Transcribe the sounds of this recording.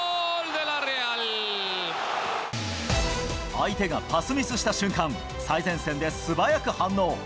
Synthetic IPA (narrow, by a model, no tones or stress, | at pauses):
ld̪elaɾeal | ait̪e̞ɡapasɨmʲisɨɕi̥t̪aɕɨ̃ŋkãŋ | saizẽ̞ɰ̃sẽ̞nd̪e̞sɨbajakɯ̟hãnːo̞ː